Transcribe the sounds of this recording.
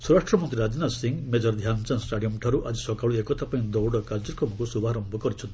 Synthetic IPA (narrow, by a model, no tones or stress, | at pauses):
suɾaʂʈɾɔmɔnt̪ɾiɾad͡ʒinasiŋɡmed͡ʒɔɾd̪ʱjant͡ʃansʈaɽijɔmʈʰaɾuʔad͡ʒisɔkaɭuekɔt̪ʰapaĩd̪ɔwɽɔkaɾd͡ʒɔɾkɾɔmɔkusubʱaːɾɔmbʱɔkɔɾit͡ʃʰɔnt̪i